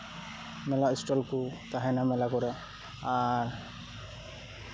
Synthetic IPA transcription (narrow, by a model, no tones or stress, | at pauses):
mɛlaisʈɔlkut̪aɦɛnamɛlakɔɾa | aɾ